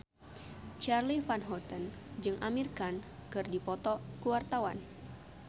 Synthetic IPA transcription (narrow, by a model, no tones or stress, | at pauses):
t͡ʃarlifanɦɔt̪ən | d͡ʒɨŋʔamirkankɨrdipɔt̪ɔkuwart̪awa̰n